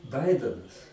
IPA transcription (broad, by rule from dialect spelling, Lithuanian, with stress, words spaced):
ˈbɐɪdʲɛnɐs